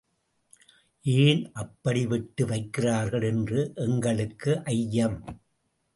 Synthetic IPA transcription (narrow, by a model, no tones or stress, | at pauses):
ʔiːlʔɐpːɐɽɪʋɪʈːɯʋɐɪkːɪraːɾɣɐɭɛndrɯʔɛŋɡɐɭɯkːɯʔɐjːɐm